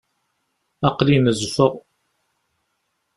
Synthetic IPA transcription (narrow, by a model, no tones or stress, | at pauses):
ɑqlinəzfəʁ